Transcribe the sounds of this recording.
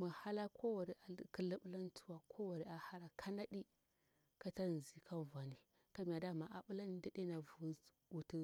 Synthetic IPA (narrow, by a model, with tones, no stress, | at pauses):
mə˨ha˦la˦kʰo˦wa˨ɾi˨ʔa˨kə˦lə˦ɓla˦n˦tu˦wa˨kʰo˦wa˨ɾi˦a˨ha˦ɾa˨kʰa˦na˦ɗi˦ | ka˦ta˦˨zi˨kʰa˦˨va˨ni˨ | ka˦m˨a˨da˦˨ma˨ʔa˨ɓu˦la˦ni˨da˨ɗe˦na˨vu˨˦ | u˨tə˦